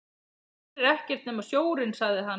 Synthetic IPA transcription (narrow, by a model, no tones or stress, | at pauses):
ɾɛhcɛr̥t̪nɛːmasjoːwɾɪnsaɣðɪɦa